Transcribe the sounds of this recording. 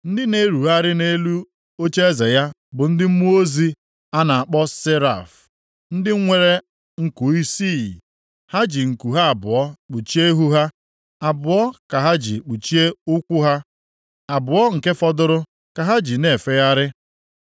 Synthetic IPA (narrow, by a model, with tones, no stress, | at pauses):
n̩˦dɪ˦ne˦ɾu˨ɦa˦ɾɪ˦ne˦lu˦ | o˦t͡ʃe˦e˦ze˨ja˦ | bʊ˨n̩˦dɪ˦m̩˦mu˦o˦zi˦ | a˦na˨a˨k͡pɔ˦se˦ɾa̰˨f | n̩˦dɪ˦ŋʷe˦˨ɾe˦ | ŋ̩˨ku˨i˦si˦˨ | ha˦d͡ʒi˨ŋ̩˨ku˨ɦa˦a˨bʊ˨ɔ˦k͡pu˨t͡ʃi˦e˦ɦu˦ɦa˦ | a˨bʊ˨ɔ˦ka˨ɦa˦d͡ʒḭ˨k͡pu˨t͡ʃi˦e˦ʊ˦kʷʊ˦ɦa˦ | a˨bʊ˨ɔ˦ŋ̩˨ke˦fɔ˦dʊ˦ɾʊ˦ | ka˨ɦa˦d͡ʒi˨ne˨fe˦ja˦ɾɪ˦